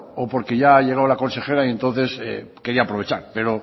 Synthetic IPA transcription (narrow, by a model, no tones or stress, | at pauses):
opo̞ɾke̞ʝaaʎe̞ɣawlako̞nse̞xe̞ɾaie̞nt̪o̞n̟θe̞sḛke̞ɾiapɾo̞βet͡ʃaɾpe̞ɾo̞